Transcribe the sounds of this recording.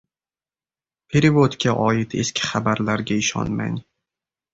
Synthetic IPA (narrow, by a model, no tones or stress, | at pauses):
pʰeɾɪvot̪kʲʰaʔɒɪt̪ʰe̞skʲʰɪ̥χabaɾlaɾɡʲaɪʃɒ̰nma̰n